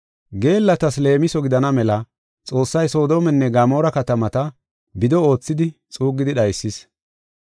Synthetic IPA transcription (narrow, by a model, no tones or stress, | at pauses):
ɡe̞ːlːɐt̪ɐsle̞ːmɪsɔɡɪd̪ɐnɐmɛlɐ | t͡sʼo̞ːsːɐjso̞ːd̪o̞ːmɛnːɛɡaːmo̞ːɾɐkɐt̪ɐmɐt̪ɐ | bɪd̪ɔo̞ːt͡sːɪd̪ɪt͡sʼuːɡːɪd̪ɪɗɐjsːɪs